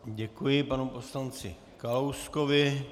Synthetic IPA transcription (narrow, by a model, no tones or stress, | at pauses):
ɟɛkujɪpanuposlant͡sɪ̰ | kalowskovɪ